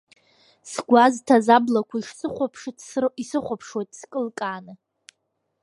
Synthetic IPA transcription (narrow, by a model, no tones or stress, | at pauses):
sɡʷaztʰazablakʷʰaiʂsɨχʷapʰʂtʼisɨχʷapʰʂwajtʼskʼɨlkʼaːnɨ